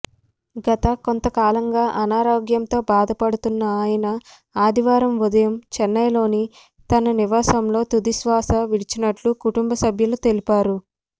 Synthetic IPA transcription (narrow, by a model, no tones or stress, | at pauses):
ɡɐt̪ɐko̞nt̪ɐkaːlɐŋɡaːʔɐnaːɾoːɡjɐmt̪o̞ːbaːd̪ɐpɐɽut̪unːɐaːjɐnɐ | aːd̪ʱiʋaːɾɐmʋud̪ɐjɐmt͡ʃɛnːɐjlo̞ːni | t̪ɐnɐniʋaːsɐmlo̞ːt̪ud̪isʋaːsɐʋiɽit͡ʃinɐʈlukuʈumbɐsɐbʱjɐlut̪e̞lipaːɾu